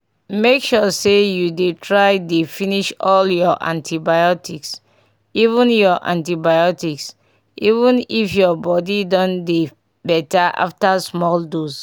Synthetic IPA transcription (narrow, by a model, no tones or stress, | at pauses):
mekʃusejudetʰɹaɪdefiniʃɔljɔʔã̰ntʰibajɔtiks | ivũnjɔʔã̰ntibajɔtiks | ivũnifjɔbɔdidɔ̃nde | bɛtaʔa̰ftasmɔldos